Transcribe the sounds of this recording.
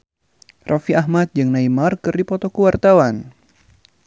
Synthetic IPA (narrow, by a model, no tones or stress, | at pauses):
rafiʔaɦmat̪̚d͡ʒɨŋnaimarkɨrdipɔt̪ɔkəwart̪awan